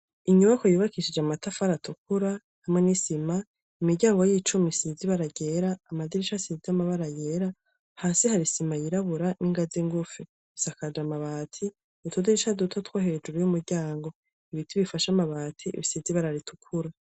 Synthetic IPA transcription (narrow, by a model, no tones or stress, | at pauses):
iɲuβako̞juːβakiʃid͡ʒeamatafaɾatuk̚uɾa | hamŋenisima | imiɾɟaːŋɡo̞jiːt͡ʃumisiziβaɾaɟeɾaːmadiɾiʃasiziamaβaɾajeːɾa | haːsihaɾisimajiɾaβuɾaniŋɡaziŋɡufi | sakad͡ʒamaβaːtʰi | utʰudiɾiʃadutʰatwahe̞d͡ʒuɾujumuɾɟaːŋɡo̞ | iβitʰiβifaʃamaβaːtʰiḭβisiziβaɾaɾitʰu̥kʰuɾa